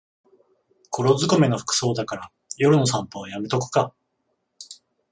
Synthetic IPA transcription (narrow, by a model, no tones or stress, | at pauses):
kʰo̞ɾo̞zɨɡome̞no̞ɸɯ̥kɯ̟̥so̞ːd̪akaɾa | jo̞ɾɯ̟nos̬ãmpoːjamet̪o̞kɯ̟̥ka